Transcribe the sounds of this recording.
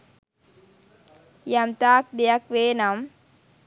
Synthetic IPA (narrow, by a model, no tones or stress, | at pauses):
jɐmt̪aːk̚d̪ejɐkʋeːnam